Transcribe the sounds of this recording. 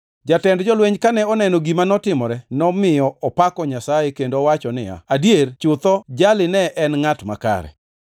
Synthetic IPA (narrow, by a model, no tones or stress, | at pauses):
d͡ʒatɛndd͡ʒɔlweɲkanɛɔnɛnoɡimanɔtɪmɔɾɛnɔmɪɔɔpakɔɲasajɛkendowat͡ʃɔnɪ̰a̰adjeɾt͡ʃʊt̪ɔd͡ʒalɪnɛʔɛnŋatma̰ka̰ɾɛ̰